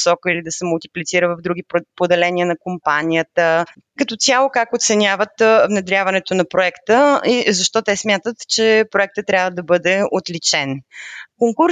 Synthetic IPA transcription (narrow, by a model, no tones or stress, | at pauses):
sɔkəilid̪ɐsɛmulˠt̪i̥plʲit̪siɾəvəvd̪ɾuɡ̟ipod̪ɛlɛnʲiənɐkompanʲijət̪ə | kɐt̪ɔt̪sʲalˠokakot̪sɛnʲavət̪vnɛd̪ɾʲavɐnɛt̪onɐpɾoɛkt̪əizɐʃt̪ɔt̪ɛsmʲjat̪ət̪t͡ʃɛpɾoɛk̚t̪ət̪ːɾʲjavəd̪ɐbɤd̪ɛot̪lit͡ʃɛnkoŋkuɾ